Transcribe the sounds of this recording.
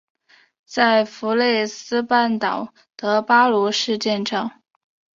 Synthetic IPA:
t͡sa˥˩ɪfu˧˥le˥˩ɪsɹ̩˥pa˥˩nt̪ɑ˨˩ʊ | t̪ɤ˧˥pa˥lu˧˥ʂɻ̩˥˧t͡ɕjɛ˥˧nʂɑ˥˩ŋ

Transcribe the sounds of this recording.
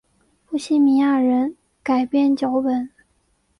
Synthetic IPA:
fu˥˩ɕi˥˩mi˧˥ja˥˩ɻə˧˥n | ka˨˩ɪpjɛ˥˧nt͡ɕjo˧˥ʊpə˨˩˦n

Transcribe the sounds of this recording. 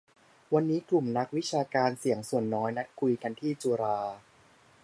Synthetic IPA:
wa˧nːiː˦˥klu˨˩mna˦˥k̚wi˦˥t͡ɕʰaː˧kaː˧nsi˨˩˦əŋsu˨˩ənːɔː˦˥jna˦˥t̪̚kʰu˧jt̪ʰa˧nt̪ʰiː˥˩t͡ɕuː˧ɾaː˧

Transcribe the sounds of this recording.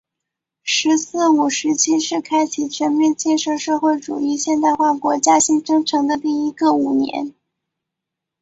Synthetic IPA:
ʂɻ̩˧˥sɹ̩˥˩u˨˩ʂɻ̩˧˥t͡ɕʰi˥ʂɻ̩˥˩kʰa˥ɪt͡ɕʰi˨˩t͡ɕʰɥɛ˧˥nmjɛ˥˧nt͡ɕjɛ˥˧nʂɤ˥˧ʂɤ˥˧xwe˥˩ɪʈ͡ʂṵ˨˩i˥˧ɕjɛ˥˧nt̪a˥˧ɪxwa˥˩kwɔ˧˥t͡ɕja˥ɕi˥ŋʈ͡ʂɤ˥ŋʈ͡ʂʰɤ˧˥ŋd̪ə˧t̪i˥˩i˥ɡə˧u˨˩njɛ̰˧˥n

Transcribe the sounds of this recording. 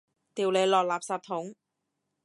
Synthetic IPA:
t̪iː˨˩wle˨˧jlɔː˨k̚laː˨˩p̚saː˨p̚t̪ʰʊ˨˥ŋ

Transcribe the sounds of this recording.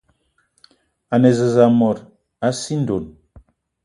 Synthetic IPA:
a˨nɛ˨zə˨za˨mɔ˨ɾ | a˨˦si˦n˦do˨n

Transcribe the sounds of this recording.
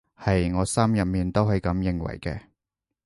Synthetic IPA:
hɐ˨jŋɔː˨˧sɐ˥mjɐ˨p̚miː˨nt̪o˥wɦɐ˨jkɐ˨˧˥mjɪ˨ŋwɐ̰˨˩jkɛː˧

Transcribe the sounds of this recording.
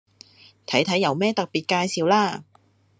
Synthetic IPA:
t̪ʰɐ˨˥jt̪ʰɐ˨˥jːɐ˨˧wmɛː˥t̪ɐ˨k̚piː˨t̚kaː˧jsiː˨wlaː˧

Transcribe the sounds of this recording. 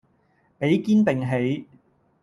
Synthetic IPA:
pe˨˥jkiː˥npɪ˨ŋɦe˨˥j

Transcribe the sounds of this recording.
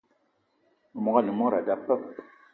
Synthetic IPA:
ə˨mɔ˦ɡa˦ni˨mɔ˦ɾa˨da˦pːə˦p̚

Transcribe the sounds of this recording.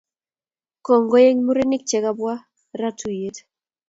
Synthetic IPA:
kɔ˨ŋɡɔ˦je˦ŋmu˦ɾe˦ni˦k̚t͡ʃɛ˨ɣa˦bwa˦ | ɾa˦tʰu˨je˨t

